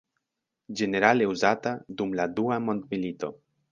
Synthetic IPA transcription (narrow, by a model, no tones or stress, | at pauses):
d͡ʒe̞ne̞ɾaleuzat̪ad̪umlad̪uamo̞nt̪milit̪o̞̰